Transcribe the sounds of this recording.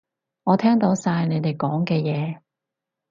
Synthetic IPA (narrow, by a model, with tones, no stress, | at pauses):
ŋɔː˨˧t̪ʰɛː˥ŋt̪o˨˥wsaː˧jne˨˧jt̪e˨˩jkɔː˨˥ŋkɛː˧jɛː˨˧